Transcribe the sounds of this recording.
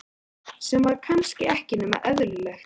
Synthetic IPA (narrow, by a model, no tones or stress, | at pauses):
sɛmvaɾkʰanscɪɛhcɪnʏma̰ʔœðɾʏlɛxt̪